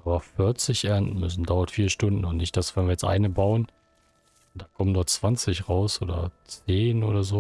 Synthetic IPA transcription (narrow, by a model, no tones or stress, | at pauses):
ʔabɐfɪɐt͡sɪçʔɛɐndn̩mʏs̬n̩daʊɐtfiːɐʃtʊndn̩ʊntnɪçt̚d̥asv̥ɛnviːɐjɛt͡stʔa̰ɪnəbaʊən | nd̥aːkʰɔməndɔɐtt͡sv̥ant͡sɪçʁaʊsʔo̰ːdɐ̰t͡seːnʔo̰ːɾɐzoː